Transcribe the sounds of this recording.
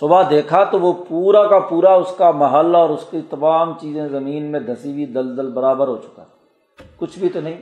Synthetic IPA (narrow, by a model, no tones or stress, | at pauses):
sʊbad̪eːkʰat̪oʋopuːɾakapuːɾaʊskamɐɦəlɔːɾʊskit̪ɐmaːmt͡ʃiːzẽzɐmiːnmẽd̪ʱɐsibʱid̪ɐld̪əlbɐɾaːbəɾɦoːt͡ʃʊ̥ka̰ | kʊt͡ʃʰbʱit̪onɐɦĩː